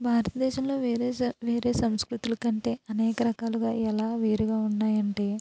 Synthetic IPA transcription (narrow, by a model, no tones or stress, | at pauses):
bʱaːɾɐt̪ɐd̪ɛːʃɐmlo̞ːʋeɾeːʋe̞ːɾe̞ːsɐmskɾut̪ulɐkɐɳʈe̞ːʔɐnɛːkɐɾɐkaːluɡaːɛlaːʋe̞ːɾuɡaːunːaːjɐɳʈe̞ː